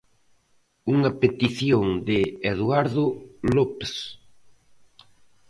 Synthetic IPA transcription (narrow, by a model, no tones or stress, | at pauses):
uŋɐpet̪iθjoŋd̪ɪːðwaɾðʊlops